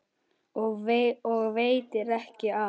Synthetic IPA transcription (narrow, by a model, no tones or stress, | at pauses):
ɔɣveɔɣveːjt̪ɪɾɛhcɪa